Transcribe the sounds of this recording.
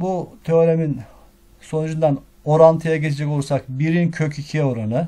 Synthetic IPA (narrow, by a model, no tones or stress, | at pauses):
but̪ʰøɾemin | so̞nud͡ʒund̪an | oɾant̪ʰɯjaɟet͡ʃ̪ʰed͡ʒɛkousak̚biɾincʰøcicʰio̞ɾanɯ